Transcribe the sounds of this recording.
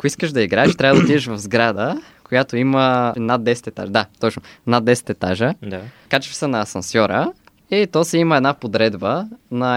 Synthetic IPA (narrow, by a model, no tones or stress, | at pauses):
koiskəʃd̪ɐiɡɾaɛʃt̪ɾavəd̪ɐt̪id̪ɛʃvɐvzɡɾad̪ə | kojat̪oimənad̪ːɛsɛ̥t̪ɛt̪a̰ʒəd̪at̪ɔt͡ʃnonad̪ːɛsɛ̥t̪ɛt̪a̰ʒəd̪akat͡ʃfsənɐːsɐnsjɔɾə | it̪osɛiməɛd̪napod̪ɾɛd̪bənɐ